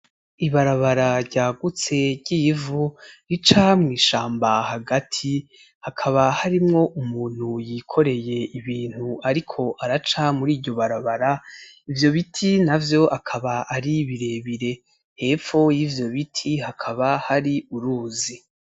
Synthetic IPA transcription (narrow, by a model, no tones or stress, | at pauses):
iβaɾaβaɾaɾɟaːɡut͡se̞ɾɟiːvuɾit͡ʃamŋiːʃaːmbahaɡatʰi | hakʰaβahaɾimŋo̞ʔumuːn̥hujikʰo̞ɾe̞je̞iβiːn̥huaɾikʰo̞ʔaɾat͡ʃamuɾiːvɟo̞βaɾaβaɾaivjo̞βitʰinavjo̞ʔakʰaβaʔaɾiβiɾe̞βiɾe̞ | he̞ːfo̞jiːvjo̞βitʰihakʰaβahaɾiuɾuːzi